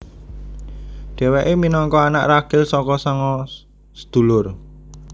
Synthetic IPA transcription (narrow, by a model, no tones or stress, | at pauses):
ɖ̥ɛ̤weʔeminɔŋkɔana̰ʔraɡ̥ɪlsɔkɔsɔŋɔ | sə̥d̪̥ṳlʊr